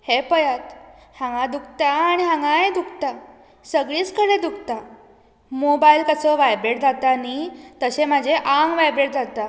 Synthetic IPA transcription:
hepəjat̪hãŋɡãd̪uk̚ʰt̪aːɽ̃iɦãŋɡãed̪ukʰt̪a | səɡɭiːt͡skəɽed̪uk̚ʰt̪a | mobailkəsəʋajbɾeʈ̚d͡zat̪anit̪əɕem̤ad͡ʑʱeʔaŋɡʋajbɾeʈ̚d͡zat̪a

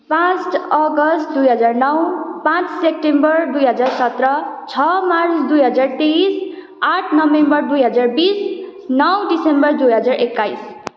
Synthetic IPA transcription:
pãt͡sʈʌɡʌsʈ̚d̪ujɦʌd͡zarnʌwpãt͡ssep̚ʈembʌrd̪ujɦʌd͡zarsʌt̪rʌt͡sʰʌmart͡sʰd̪ujɦʌd͡zart̪es | aʈʰnʌbembʌrd̪ujɦʌd͡zarbisnʌwɖisembʌrd̪ujɦʌd͡zarekːajs

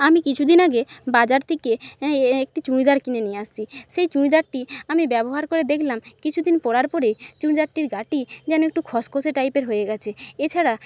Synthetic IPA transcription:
amikit͡ɕʰud̪inaɡebad͡ʑaɾt̪ʰekeek̚ʈit͡ɕuɽ̃id̪aɾkinenijeast͡ɕʰiʃejt͡ɕuɽ̃id̪aɾʈiamibɛboɦaɾkoɾed̪ekʰlamkit͡ɕʰud̪inpɔɽaɾpɔɾejt͡ɕuɽid̪aɾʈiɾɡaʈid͡ʑɛnoek̚ʈukʰɔskʰoseʈajpeɾɦojeɡɛt͡ɕʰeet͡ɕʰaɽa

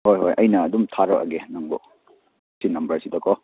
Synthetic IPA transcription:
hojɦojʔɐjnɐːdumtʰaɾɔʔa̰ɡenaŋbɔ | sinɐmbɐɾsidɐkʰɔ

